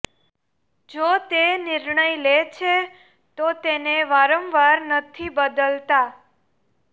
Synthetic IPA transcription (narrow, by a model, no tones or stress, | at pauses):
d͡ʒot̪enɪɾɳəjlet͡ʃʰe | t̪ot̪eneʋaɾəmʋaɾnət̪ʰibəd̪əlt̪a